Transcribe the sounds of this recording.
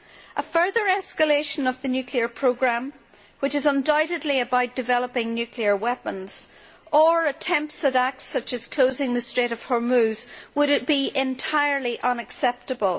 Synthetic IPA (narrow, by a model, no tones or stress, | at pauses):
ʔəfɜ˞ðə˞ɛskəleʃə̃nəvðənjʉkʰliə˞pʰɹ̥oɡɹãm | wɪt͡ʃɨzə̃ndaʊɾɨdˡliəbaʊt̚d̥ɨvɛlˠəpɪ̃ŋnjʉkʰliə˞wɛpə̃nz̥ | ə˞ətʰɛ̃mpsəɾak̚sʌt͡ʃɨz̥kʰl̥ozɪ̃ŋðəstɹ̥eɾəv̥həɹmʉzwəɾɪt̚b̥iʔɪ̃ntʰaɪə˞lˠiʔʌ̃nəksɛp̚təbəlˠ